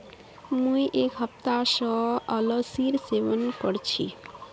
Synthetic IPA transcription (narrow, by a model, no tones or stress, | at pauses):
mũiʔekɦəpt̪asəələɡsiɾsebənkəɽt͡ʃʰḭ